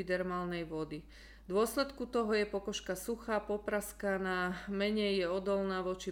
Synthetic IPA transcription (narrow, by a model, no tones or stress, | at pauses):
id̪ɛɾmaːlnɛjʋɔd̪i | d̪ʊɔslɛt̪kut̪ɔɦɔjɛpɔkɔʃkasuxaːpɔpɾaskanaːmɛɲɛjːɛɔd̪ɔlnaːʋɔt͡ʃi